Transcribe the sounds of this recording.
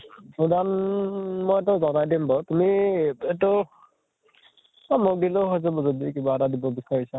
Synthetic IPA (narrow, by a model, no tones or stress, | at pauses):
udan | mojet̬ʊzɔnajdimbɔtumietʊ | amok̚diloɦɔjzɛbɔzɔdikibaːtadibɔbisaɹisa